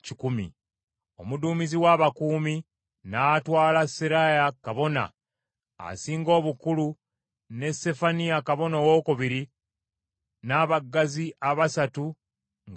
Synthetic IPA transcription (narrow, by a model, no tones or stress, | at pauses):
cikumḭ | omuduːmiziwaːβakuːmi | natwaːlasiɾajakaβo̞na̰ː | siːŋɡo̞ːβukulu | ne̞se̞fanijakaβo̞nowo̞ːkuβiɾi | naːβaɡːaziʔaβasatu | ŋ